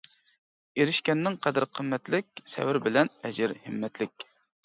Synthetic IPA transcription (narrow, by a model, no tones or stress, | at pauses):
eɾɪʃkʲɛnːɪŋqʰɛd̪ɨɾqʰəmːɛt̪lɪk̚ʲsɛ̰wɪɾbɪlɛnɛd͡ʒɪɾhɨmːɛt̪lɪkʲ